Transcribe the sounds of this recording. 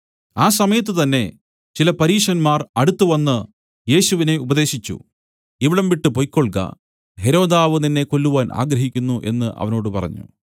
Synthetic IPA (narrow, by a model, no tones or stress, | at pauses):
aːs̬ɐmɐjɐt̪̬ːɨt̪ɐnːe̞ | t͡ɕilɐpɐɾiːʂɐnmaːrɐɽut̪ːuʋɐnːɨ | je̞ːɕuʋine̞ubɐðe̞ːɕit͡ɕːṵ | iʋiɽɐmʋiʈːɨpo̞jkʲːo̞ɭkɐ̰ | ɦe̞ɾo̞ːd̪aːʋɨninːe̞ko̞lːuʋaːnʔa̰ːɡɾɐɦikʲːunːuʔe̞̰nːɨʔɐ̰ʋɐno̞ːɽɨpɐrɐ̰ɲːṵ